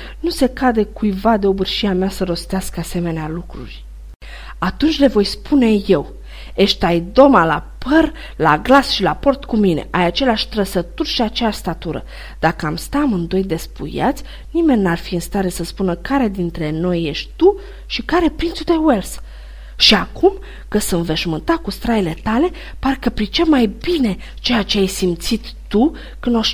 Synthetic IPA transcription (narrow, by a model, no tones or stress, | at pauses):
nuse̞kad̪e̞kujvad̪e̞o̞bɨrʃiameasəɾo̞st̪easkəase̞me̞nealukɾṵrʲ | at̪unt͡ʃʲle̞vo̞jspune̞je̞w | e̞ʃt̪ajd̪o̞malapər | laɡlasʃilapo̞rt̪kumine̞̰ʔajat͡ʃe̞leaʃʲt̪ɾəsət̪urʃiat͡ʃeaʃʲst̪at̪uɾə̰ | d̪̥akəamst̪amɨnd̪o̞jd̪e̞spṵja̰t̪sʲ | nime̞nʲːarfiɨnst̪aɾe̞səspunəkaɾe̞d̪int̪ɾe̞no̞jːe̞ʃt̪ʲt̪u | ʃikaɾe̞pɾint̪sʲud̪e̞wels | ʃiakum | kəsɨnve̞ʃmɨnt̪akust̪ɾaile̞t̪ale̞ | parkəpɾit͡ʃe̞majbine̞ | t͡ʃe̞jat͡ʃe̞ajsimt̪sit̪ːu | kɨnoʃ